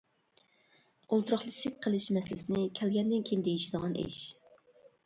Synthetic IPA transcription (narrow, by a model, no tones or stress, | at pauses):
olˠt̪ʰuɾɑχlˠɨʃɪk̚ʲqʰəlˠɨʃmɛslɪsɪnɪkʲʰɛlɡʲɛnd̪ɪnkʲʰijnd̪ejiʃid̪əʁɑnḛʃ